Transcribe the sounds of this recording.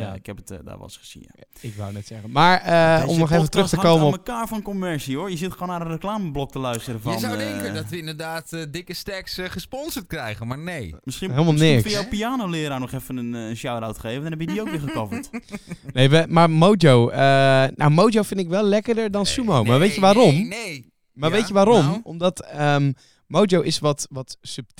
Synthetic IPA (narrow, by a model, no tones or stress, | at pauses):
jaɪkɛpətda̰ʋɔ̰lsχəz̥ḭna̰ | ɪkʋa̰nɛtsɛɣənmaɹəɔ̰mnɔxevəntrøxtəkowmənɔməkaːɹfɔnkomɛɹsiojəzɪtχoːnanənreklaːməblɔk̚təlœɥstərəfɔndɛŋkədɔtʋəɪndəɹdaːtdɪkəstɛksχəspɔnzətkrɛjɣənmaɹnejmɪsiɦelˠmalˠnɪkfsowpiaːnowlɪːɾaːnɔχɛfənənənʃawrawtχejvəndnɛbjədiowkʋɪːɹχəkɔvəl̩ˠtnejʋəmaɹmowd͡ʒowəna̰wmowd͡ʒowfɪndtɪkʋɛlˠlɛkəɹdəɹdɔnsumowmaɹʋejtjəʋaːɾɔmn | maɹʋejtjəʋaːɾɔmɔmdɔtəm | mowd͡ʒowʔɪsʋɔtʋɔtsøp̚t